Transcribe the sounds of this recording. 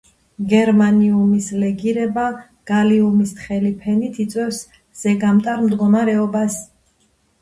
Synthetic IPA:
ɡɛɾmaniumislɛɡiɾɛba | ɡ̥aliumist̪χɛlipʰɛnit̪ʰit̪sʼwɛfs | z̥ɛɡamt̪ʼaɾmd̪ɡɔmaɾɛɔbas

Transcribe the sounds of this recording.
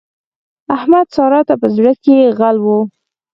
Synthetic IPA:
ahmad̪sɑɾɑt̪apəzɽəkeɣalwo

